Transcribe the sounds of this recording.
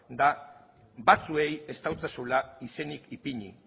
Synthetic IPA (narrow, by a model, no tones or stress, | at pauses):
d̪a | bat͡sue̞je̞st̪awt͡sasulaise̞nikipiɲḭ